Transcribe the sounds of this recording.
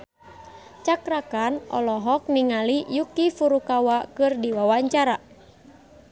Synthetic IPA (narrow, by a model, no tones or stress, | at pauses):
t͡ʃakɾakanʔɔ̰lɔɦɔk̚niŋalijukifuɾukawakɨrdiwawaɲt͡ʃaɾa